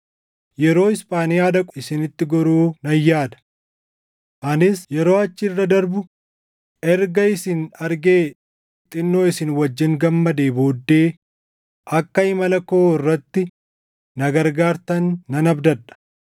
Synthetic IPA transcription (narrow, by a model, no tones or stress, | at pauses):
jɛɾo̞ːɪspʼaːnɪjaːd̪ɐkʼʊɪsɪnɪt̪ːɪɡɔɾuːnɐjːaːd̪ɐ̥ | ʔɐnɪsjɛɾo̞ːɐt͡ʃːɪrːɐd̪ɐɾbʊ | ʔɛɾɡɐɪsɪnɐɾɡe̞ː | t̪ʼɪnːo̞ːɪsɪnwɐd͡ʒːɪŋɡɐmːɐd̪e̞ːboːd̪ːe̞ː | ʔɐkːɐɪmɐlɐkoɪrːɐt̪ːɪ | nɐɡɐɾɡaːɾt̪ɐnːɐnɐbd̪ɐᶑ̪ɐ̥